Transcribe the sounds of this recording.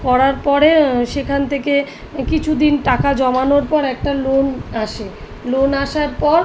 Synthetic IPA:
kɔɾaɾpɔɾeʃekʰant̪ʰeke | kit͡ɕʰud̪inʈakad͡ʑɔmanoɾpɔɾɛk̚ʈalonaʃe | lonaʃaɾpɔɾ

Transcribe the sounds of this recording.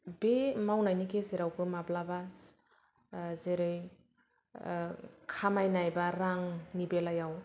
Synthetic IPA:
bemawnajnikʰezeɾawbɯmablabas | zeɾɯj | kʰamajnajbaɾaŋnibelajaw

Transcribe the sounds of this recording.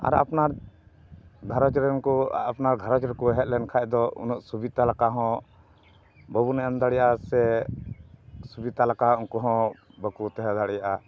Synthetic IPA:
a̰ɾa̰pnaɾ | ɡʱaɾɔt͡ʃɾɛnkɔapnaɾɡʱaɾɔt͡ʃɾɛkuɛɦɛt̪̚ˀlɛnkʰad̪ɔṵnɔʔsubit̪alakaɦɔ̃ | bəbunɛand̪aɽijaasɛ | subit̪alakauŋkɔɦɔ̃ | bəkut̪ɛɦɛd̪aɽijaʔa

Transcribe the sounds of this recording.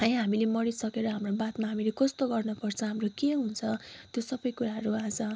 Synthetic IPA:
ɦʌjɦamilemʌɾisʌkeɾʌɦamrobat̪maɦamilekʌst̪oɡʌrnʌpʌrt͡sʰʌ̃ɦamrokeɦunt͡sʰʌt̪josʌbʌjkuɾaɦʌɾuad͡zʌ

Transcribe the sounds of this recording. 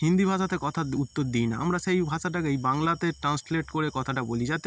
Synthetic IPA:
hind̪ibʱaʃat̪ekɔt̪ʰaut̪ːoɾd̪ijna̰amɾaʃejbʱaʃaʈ̬akejbaŋlat̪eʈɾansleʈkoɾekɔt̪ʰaʈabolid͡ʑat̪e

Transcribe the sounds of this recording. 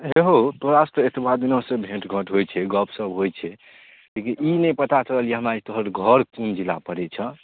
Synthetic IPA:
ɦeɦot̪oɾasʈɾet̪ibad̪inõsẽbʱẽʈɡʱəʈɦojt͡ʃʰɛɡəpʰsəbɦojt͡ʃʰɛ | lekiʔinɛjpət̪at͡ʃəəɦəljeɦəmɾad͡ʒt̪oɦəɾɡʱəɾkund͡ʒila̰pəɾɛt͡ʃʰə̃

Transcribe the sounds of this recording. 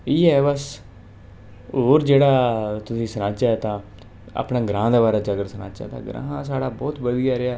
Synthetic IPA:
iːɛːbəs | oːɾd͡ʒeːɽaːt̪ʊsĩːsənãːt͡ʃaːɛt̪ãː | a̰ːpnãːɡɾãːd̪aːbaːɾaːd͡ʒəɡəɾsənã̰ːt͡ʃa̰ːt̪ã̰ːɡɾã̰ːɦãːsaːɽaːbɔːt̪ʋəd̪ijaːɾɪaː

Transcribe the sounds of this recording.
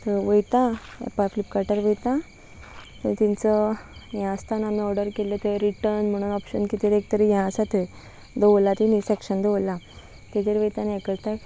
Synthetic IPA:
t̪əɾʋəjt̪ã̰paflip̚kaɾʈəɾʋəjt̪ã | t̪ət̪int͡səjãst̪ʰanam̤iɔɾɖəɾkelet̪eɾiʈəɾnm̤əɽ̃uːnɔpɕənkit̪eɾek̚t̪əɾejãsat̪e | d̪əʋlat̪inisekʂənd̪əʋla | t̪et̪eɾʋəjt̪aniekəɾt̪a

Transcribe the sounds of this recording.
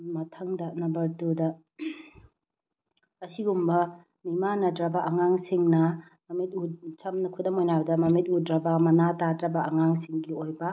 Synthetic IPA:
mɐtʰɐŋdanɐbɐdudɐ | ɐsiɡumbɐ | mimanɐdɾɐbaʔɐŋaŋsiŋnɐ | mɐmit̚ut͡ʃɐmnɐkʰudɐmojnawdɐmɐmit̚udɾɐbamɐnatadɾɐbɐʔɐŋaŋsiŋɡiojbɐ

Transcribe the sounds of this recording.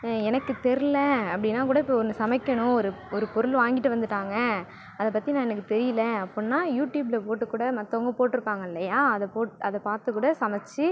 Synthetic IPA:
ɛnɐkːɯt̪ɛɾɪlɛɐpːɐɽɪnːaːkuːɽɐɪpːɐɔnːɯsɐmɐkːɐɳʊ̃ɔɾɯɔɾɯpɔɾɯlʋaːŋɡɪʈːɯʋɐnd̪ɯʈːaːŋɡɐ | ɐðɐpɐt̪ːinãːɛnɐkːɯt̪ɛɾɪjɐlɐɐpːɔnːaːjuːʈjuːblɐpoːʈːɯkːuːɽɐmɐt̪ːɐŋɡɐpoːʈːɪɾɯpːaːŋɡɐɪlːɐjaːɐðɐpoːʈɯɐðɐpaːɾt̪ɯkːuːɽɐsɐmɐt͡ʃːɯ

